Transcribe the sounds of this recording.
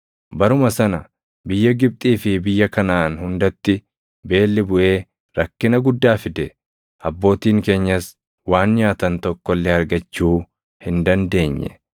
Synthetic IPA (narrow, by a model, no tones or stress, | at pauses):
bɐɾʊmɐsɐnɐ | bɪjːɐɡɪb̚t̪ʼiːfɪbɪjːɐkɐnaːnhʊnd̪ɐt̪ːɪ | be̞ːlːɪbʊʔe̞ː | ɾɐkːɪnɐɡʊd̪ːaːfɪd̪ɛ | ʔɐbːo̞ːt̪iːŋke̞ːɲːɐs | waːnɲaːt̪ɐnt̪ɔkːɔlːɛɐɾɡɐt͡ʃːuː | hɪnd̪ɐnd̪e̞ːɲːɛ̰